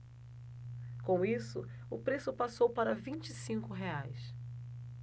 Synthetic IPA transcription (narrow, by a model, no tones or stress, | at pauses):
kõw̃isʊʊpɾesʊpasowpaɾɐvĩnt͡ʃisĩŋkʊɦeajs